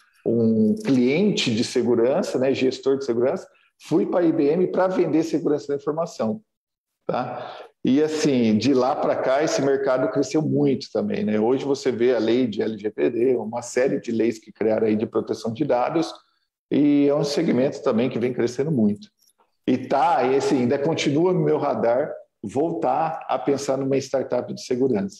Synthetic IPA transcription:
ũkliẽnt͡ʃɪd͡ʒɪseɡuɾɐ̃sɐnɛʒest̪oɾd͡ʒɪseɡuɾɐ̃sɐ̥ | fujpɾɐibeẽmɪpɾɐvẽnd̪eseɡuɾɐ̃sɐd̪ɐĩfoɾmasɐ̃w̃ | t̪ʰaɪasĩd͡ʒɪlapɾɐkaesɪmeɾkad̪ʊkɾesewmũj̃t̪ʊ̥t̪ɐ̃mbḛ̃j̃nɛoʒɪvoseveɐlejd͡ʒɪɛlɪʒeped̪eũmɐsɛɾɪd͡ʒɪlejskɪkɾiaɾɐ̃aid͡ʒɪpɾot̪esɐ̃w̃d͡ʒɪd̪ad̪ʊs | ɪɛũseɡimẽnt̪ʊ̥st̪ɐ̃mbẽj̃kɪvẽj̃kɾesẽnd̪ʊmũj̃t̪ʊ̥ | ɪt̪aasĩĩnd̪ɐkõt͡ʃinuɐnʊmewɦad̪aɾ | vowt̪aɐ̰pẽsaɾnũmɐɪst̪aɾt̪apɪd͡ʒɪseɡuɾɐ̃sɐ̥

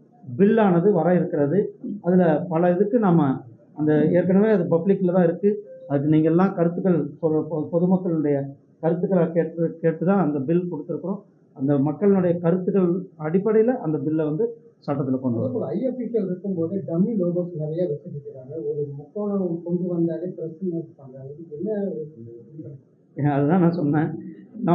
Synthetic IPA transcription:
bɪlːaːnɐðɯʋɐɾaːɪɾɯkːɪɾɐðɯɐðɪlɐpɐlɐɪðɯkːɯnaːmɐ | ɐnd̪ɐeːɾkɐɳɐʋeːɐðɯpɐblɪkːɪlɐt̪ãːɪɾɯkːɯɐðɯk̬ːɯniːŋɡɐlːãːkɐɾɯt̪ːɯɣɐɭsɔɐpɔðɯmɐkːɐɭɪnʊɽɐjɐ | kɐɾɯt̪ːɯɣɐɭkeːʈːɯkeːʈːɯt̪ãːɐnd̪ɐbɪlkɔɽɯt̪ːɪɾɯkːɯɾʊ̃ | ɐnd̪ɐmɐkːɐɭɪnʊɽɐjɐkɐɾɯt̪ːɯɣɐɭɐɽɪpːɐɽɐjɪlɐʔɐnd̪ɐbɪlːɐʋɐnd̪ɯsɐʈːɐt̪ːɪlɐkɔɳɖɯʋɐpːɔɭɐɐjɐpːikelɪɾɯkːɯmpoːðɯɖɐmiʋɐd̪ɐːsɐlɐʋɐjaːʋɛsɐkːɪkːɪɾaːŋɡɐɔɾɯɔmɔt̪ːoːlɐkɔɳdɯʋɐnd̪aːleːpɪɾɐsɪŋaːɪɾɯkːaːŋɡɐɪɾɯkːɯɛlːɐ | ɐðɯt̪ãːnãːsɔnːẽːnɐ

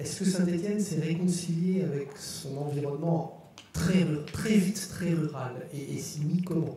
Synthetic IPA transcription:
ɛskəsãd̪et̪jɛnsɛʁekɔ̃siljeavɛksɔ̃nɑ̃viʁɔnmɑ̃ | t̪χɛʁyʁt̪χɛvit̪ːχɛʁyʁaleʔesimikɔmɑ̃

